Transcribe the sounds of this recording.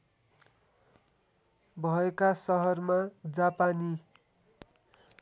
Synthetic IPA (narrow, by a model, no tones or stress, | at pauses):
bʱʌekasʌɦʌrmad͡zapani